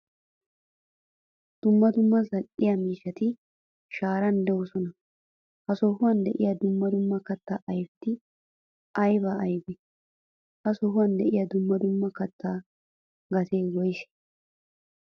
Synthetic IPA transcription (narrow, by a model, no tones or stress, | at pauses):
d̪̥ʊmːɐd̪ʊmːɐzɐlʔɪjɐmiːʃɐt̪ɪ | ʃaːɾɐnd̪ɛwʊsɔnɐ | hɐsɔhʊwɐnd̪ɛʔɪjɐd̪ʊmːɐd̪ʊmːɐkɐt̪ːaʔɐjbt̪ːɪ | ʔɐjbɐʔːjbɛ | hɐsɔɦʊwɐnd̪ɛʔɪjɐd̪ʊmːɐd̪ʊmːɐkɐt̪ʰːaː | ɡɐt̪eːwɔjʃɛ̥